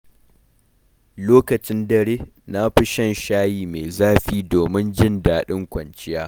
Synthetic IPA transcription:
loː˦kɐ˨t͡ʃɪ˦ndɐ˦ɾeː˦ | na˦ɸɪ˦ʃɐ˦nʃaː˦jiː˨me˨zaː˦ɸiː˦doː˨mɪ˦nd͡ʒɪ˦ndaː˨ɗɪ˦ŋkʷɐ˨nt͡ʃɪ˦jaː˦

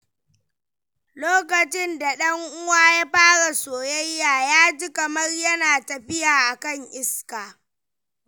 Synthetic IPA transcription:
loː˦kɐ˨t͡ʃɪ˦nda˨ɗɐ˦ŋʔʊ˦waː˦jaː˦ɸaː˦ɽa˨soː˨jɐ˦jːaː˨jaː˦d͡ʒi˦kɐ˨mɐ˦rjɐ˦naː˨tɐ˨ɸɪ˦jaː˨ʔa˨kɐ˦ŋʔɪ˦skaː˨

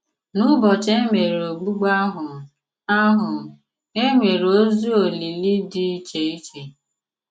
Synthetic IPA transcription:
nʊ˦bɔ˨t͡ʃe˦ŋʷe˨ɾe˨o˨ɡ͡bu˦ɡ͡ba˦ɦʊ˨ | a˦ɦʊ˨ | ŋe˦ŋʷe˨ɾo˦zu˦o˨li˨li˦dɪ˦i˦t͡ʃe˨i˦t͡ʃe˨

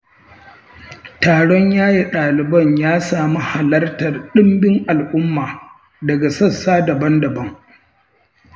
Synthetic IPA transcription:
taː˨ɽɔ˦ɲjaː˦ji˨ɗaː˨lɪ˨bɐ˦ɲjaː˦saː˨mu˦ha˨lɐ˦rtɐ˨rɗɪ˦mbɪ˦ŋʔa˨lʔʊ˦mːaː˨ | dɐ˨ɡa˨sɐ˦sːaː˦dɐ˨bɐ˦ndɐ˨bɐ˦ŋ

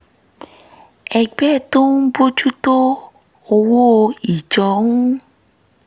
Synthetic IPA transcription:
ɛ˧ɡ͡bɛ˦˨to˦n̩˦bo˦d͡ʒu˦to˦ | o˧wo˦o˧i˨d͡ʒɔ˨˦ũ˦

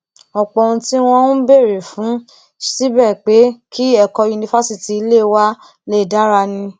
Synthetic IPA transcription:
ɔ˨k͡pɔ˨ũ˧ti˦w̃ɔ̃˧˦nũ˦be˦˨ɾe˨fũ˨˦ | si˦bɛ˦˨k͡pe˨˦kʰi˦ɛ˦˨kɔ˧ju˧nĩ˧fa˦si˦ti˨i˧le˦˧wa˦ | le˦˨da˦ɾa˧nĩ˧

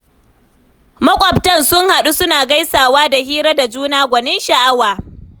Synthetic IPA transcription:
mɐ˦kʷʼɐ˨btɐ˦nsʊ˦ŋha˨ɗu˦sʊ˦naː˨ɡa˦jsaː˨waː˦da˨hiː˦ɾɐ˦da˨d͡ʒuː˦naː˦ɡʷɐ˨neː˦ʃa˨ʔa˦waː˨

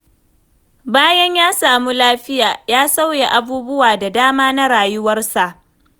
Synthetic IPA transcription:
baː˦jɐ˦ɲjaː˦saː˨mu˦laː˦ɸɪ˦jaː˨jaː˦sa˦wje˨ʔa˦buː˦bʊ˦waː˨da˨daː˦maː˦na˦ɽaː˨jʊ˦wɐ˦rsa˨ʔ

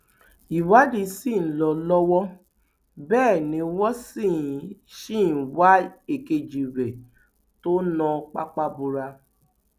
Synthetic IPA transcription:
i˨wa˨˦di˧si˦˨n̩˦lɔ˧lɔ˦wɔ˦ | bɛː˦˨nĩ˧˦wɔ˦si˦˨jĩ˨˦ʃi˦˨n̩˨wa˦e˦˨ke˧d͡ʒi˨ɾɛ˨ | to˦nɔ̃˧k͡pa̰˦k͡pa˦bu˧ɾa˧

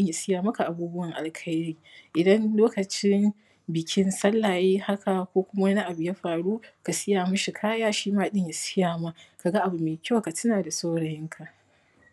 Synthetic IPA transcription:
ɪ˦ɲja˨sɪ˦jaː˨mɐ˦ka˨ʔa˨buː˦bʊ˦wɐ˨ŋʔa̰˨lkʰɐ˦jɾiː˦ʔɪ˨dɐ˦nloː˦kɐ˨t͡ʃɪ˦n | bɪ˨kʲʰɪ˦nsɐ˦lːa˨jiː˦ha˦ka˨kʷoː˦kʷʊ˦ma˦na˦ʔa˨bʊ˨ja˦ɸaː˨ɽuː˦ka˨sɪ˦jaː˨mɐ˦ʃi˨kʰaː˦jaː˦ʃiː˦maː˦ɗɪ˦ɲja˨sɪ˦jaː˨ma˦ka˨ɡa˦ʔa˨bu˨meː˨kʲa˦˨ka˨tʊ˦naː˨da˨sa˦wɽɐ˨jɪ˦ŋkʰa˨ʔ

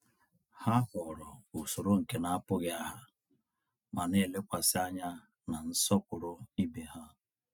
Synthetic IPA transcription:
ha˦ɦɔ˨ɾɔ˨ʊ˨sʊ˨ɾo˦ŋ̩˨ke˦na˨a˦pʊ˦ɣɪ˦a˦ɦa˦ | ma˨ne˦˨˦le˦kʷa˨sɪ˦a˦ɲa˦ | na˨n̩˦sɔ˦kʷʊ˨ɾʊ˦i˦bi˨ha˦

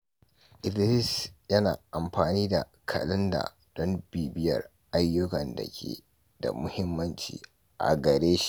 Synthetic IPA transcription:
ʔɪ˨dlɪ˦sjɐ˦na̰ː˨ʔa˨mɸaː˨niː˦da˨ | kʰɐ˨lɪ˦nda̰˨ | d̥ɔ˦mbiː˨bɪ˦jɐ̰˨r | ʔa˦jːʊ˦kɐ˨ndɐ̰˨kʲʰḛː˨ | da̰˨mʊ˦hɪ˦mːɐ˦nt͡ʃḭː˨ | ʔa̰˨ɡɐ˨ɾeː˦ʃi̥˦ʔ

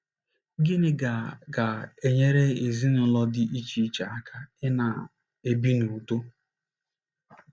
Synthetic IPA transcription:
ɡɪ˦nɪ˦ɡa˨ɡa˨e˨ɲe˦ɾe˦e˨zi˦nʊ˦lɔ˦dɪ˦ʔi˦t͡ʃi˨˦t͡ʃa˨a˦kʰa˦ɪ˦na˨ | e˦bi˦nu˨to˦

